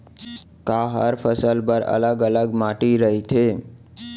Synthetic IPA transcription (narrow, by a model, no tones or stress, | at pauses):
kaɦəɾfəsəlpəɾə̰ləɡələɡmaʈiɾəɦitʰe